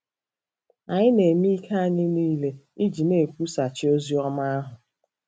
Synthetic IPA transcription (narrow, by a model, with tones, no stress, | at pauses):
a˨ɲɪ˦ne˨mi˦i˦kʰa˦a˦ɲɪ˦niː˦le˦ | i˦d͡ʒi˨ne˨pu˦sa˨t͡ʃɪ˦o˦zi˦ɔ˦ma˦a˦ɦʊ˨